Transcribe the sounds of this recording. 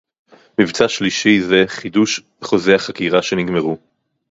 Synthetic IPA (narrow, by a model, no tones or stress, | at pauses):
mivt͡saʃliʃizeχiduʃvχo̞zeaχakiʁaʃeniɡmeʁu